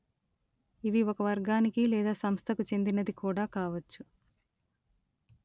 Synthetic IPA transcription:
iʋiɔkɐʋɐɾɡaːnikilɛːd̪aːsɐmst̪ʰɐkut͡ʃe̞nd̪inɐd̪ikuːɽaːkaːʋɐt͡ʃːu

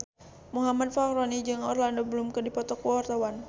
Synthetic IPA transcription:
muɦamad̚fahɾɔnid͡ʒɨŋɔrlandɔbəlumkərdipɔt̪ɔkɔɔrt̪awan

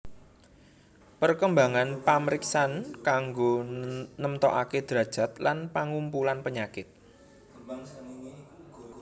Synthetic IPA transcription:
pərkəmbaŋanpaməɾiksankaŋɡonəmt̪ɔʔaked̪̥ɾä̤d̥ʒ̥ä̤t̪̚lanpaŋumpulanpəɲakɪt̪̚

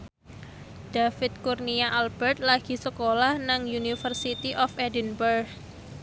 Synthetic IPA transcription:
d̥afɪt̪̚kurniaʔalb̥ɛrt̪̚laɡ̥i̤səkolahnaŋjunifərsit̪iʔɔfedinbərk

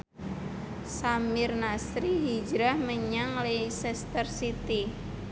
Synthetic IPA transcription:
samɪrnasɾiɦid͡ʒɾahməɲaŋlesɛst̪ərsit̪i

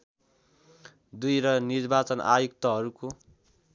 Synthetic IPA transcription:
d̪ujɾʌnirbat͡sʌna̰jukt̪ʌɦʌɾuko

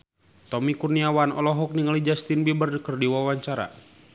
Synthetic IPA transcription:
t̪ɔmikurniawanɔ̰lɔɦɔk̚niŋalid͡ʒast̪inbibərdəkərdiwawaɲt͡ʃaɾa̰

